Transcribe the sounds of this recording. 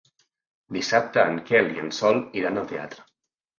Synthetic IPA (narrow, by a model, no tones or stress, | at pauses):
d̪isap̚t̪əːŋkɛliənsɔlˠiɾanəlˠt̪ea̰t̪ɾə